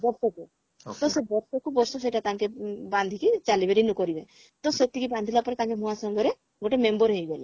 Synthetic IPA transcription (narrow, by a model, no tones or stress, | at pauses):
bɔɾsɔku | t̪osebɔɾsɔkubɔɾsɔseʈat̪ãŋkeband̪ʱikit͡ʃalibeɾinukɔɾibe | t̪oset̪ːikibãnd̪ʱilapɔɾet̪ãŋkeɦũasɔŋɡɔɾe | ɡoʈemembɔɾɦejɡele